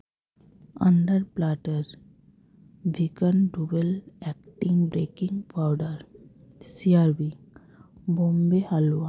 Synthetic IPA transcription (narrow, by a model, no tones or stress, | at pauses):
ə̰̃ɳɖəɾplaʈəɾ | ʋʱikənɖubelɛkʈĩŋbɾekĩŋɡpaʊɖəɾ | siaɾbi | bõmbehala